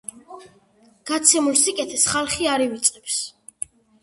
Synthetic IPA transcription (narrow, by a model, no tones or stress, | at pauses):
ɡ̥at̪sʰɛmulsikʼɛt̪ʰɛsχalˠχiaɾivit̪sʼqʼɛps